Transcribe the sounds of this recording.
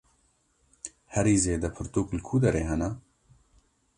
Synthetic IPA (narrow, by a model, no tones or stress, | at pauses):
hɛɾiːzeːd̪ɛpʰɨɾt̪uːklkʰuːd̪ɐɾeːɦɛnɐ